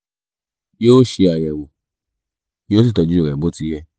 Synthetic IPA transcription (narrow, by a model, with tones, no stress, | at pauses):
joː˦ʃe˧a˨jɛ˨wo˨ | jo˦si˦˨tɔ˨˧d͡ʒu˦˨ɛ˨bo˨˦ti˧˦jɛ˦˧